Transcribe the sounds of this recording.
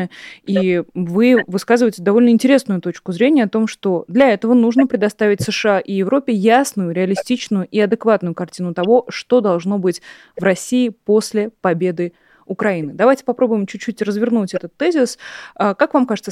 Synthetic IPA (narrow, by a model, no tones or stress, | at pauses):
ivɨvɨskazɨvəjɪtʲɪd̪ɐvo̞lʲnəɪnʲtʲɪɾʲe̞snʊjʊt̪o̞t͡ɕkʊzɾʲenʲɪjəɐt̪o̞mʂt̪o̞d̪lʲɐɛt̪əvənuʐnəpɾʲɪd̪ɐst̪avʲɪtʲsɨʂɨaʔijɪvɾo̞pʲɪjasnʊjʊɾʲɪɐlʲɪsʲtʲit͡ɕnʊjʊʔiɐd̪ɨkvat̪nʊjʊkɐrtʲinʊt̪ɐvo̞ʂt̪o̞d̪ɐlˠʐno̞bɨtʲ | vrɐsʲiːpo̞sʲlʲɪpɐbʲe̞d̪ɨ | ʊkɾɐinɨd̪ɐvajtʲɪ̥pɐpɾo̞bʊjɪmt͡ɕʉt͡ɕːutʲrəzvʲɪrnutʲɛt̪ət̪ːɛzʲɪsəkakvamkaʐɨt̪sə